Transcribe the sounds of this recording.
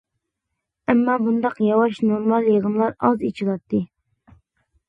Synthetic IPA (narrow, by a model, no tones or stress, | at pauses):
ɛmːɑːbund̪ɑqjɑwɑʃnoɾmɑlˠjeʁəmlˠɑɾɑzit͡ʃʰilˠɑt̪ːɨ